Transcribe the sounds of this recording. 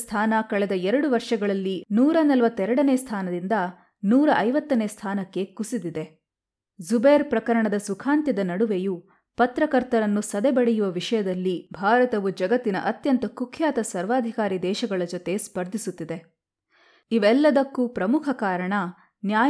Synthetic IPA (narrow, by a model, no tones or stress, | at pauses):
st̪ʰaːnɐkɐɭɛd̪ɐɛɾɐɽuʋɐɾʂɐɡɐɭɐlːinuːɾɐnɐlʋɐt̪ːɛɾɐɽɐneːst̪ʰaːnɐd̪ind̪ɐ | nuːɾɐʔɐjʋɐt̪ːɐneːst̪ʰaːnɐkːe̞kusid̪id̪e̞ | zubeːɾpɾɐkɐɾɐɳɐd̪ɐsukʰaːnt̪jɐd̪ɐnɐɽuʋeju | pɐt̪ɾɐkɐɾt̪ɐɾɐnːusɐd̪ɛbɐɽejuʋɐʋiʂɐjɐd̪ɐlːibʱaːɾɐt̪ɐʋud͡ʒɐɡɐt̪ːinɐ̰ʔɐt̪jɐnt̪ɐkukʰjaːt̪ɐsɐɾʋaːd̪ʱikaːɾid̪ɛːʃɐɡɐɭɐd͡ʒot̪e̞spɐɾd̪ʱisut̪ːid̪e̞ | iʋɛlːɐd̪ɐkːupɾɐmukʰɐkaːɾɐɳɐ | njaː